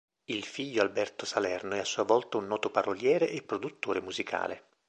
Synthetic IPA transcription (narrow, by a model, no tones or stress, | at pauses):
ilfiʎːoalbɛrt̪osalɛrnoɛasːuːavɔlt̪aunːɔːt̪oparoljɛːɾeʔepːɾod̪ut̪ːoːɾemuzikʰa̰ːlḛ